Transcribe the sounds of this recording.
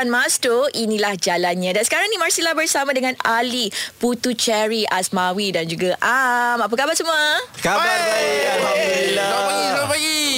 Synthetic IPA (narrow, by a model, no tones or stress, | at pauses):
anmastoinĩlahd͡ʒalanɲãdansə̥kaɾaŋnimarsilahbərsamãdəŋãnaliput̪ut͡ʃɛɾiʔasmawidand͡ʒuɡaʔamap̬akabasumakabaaiaailapaɡiopaɡi